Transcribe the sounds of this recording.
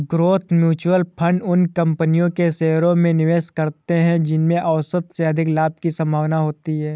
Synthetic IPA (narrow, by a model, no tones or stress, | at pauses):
ɡɾoːt̪ʰmjuːt͡ʃwəlpʰɐ̃ɳɖʊnkɐ̃mpənijõkeseːɾõmẽnɪʋeːʃkɐɾt̪eɦɛ̃d͡ʒɪnmẽʔɐʊsət̪seɐd̪ʱɪklaːb̚kisɐ̃mbʱaːʋnaɦoːt̪iɦɛː